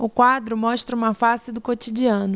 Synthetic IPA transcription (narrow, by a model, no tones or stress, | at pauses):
ʊkwad̪ɾʊmɔʃt̪ɾɐũmɐfasɪd̪ʊkot͡ʃid͡ʒiɐ̃nʊ